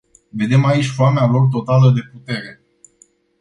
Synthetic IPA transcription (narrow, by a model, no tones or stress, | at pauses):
ve̞d̪e̞mait͡ʃʲfoamealo̞rt̪̬o̞t̪aləd̪e̞put̪e̞ɾe̞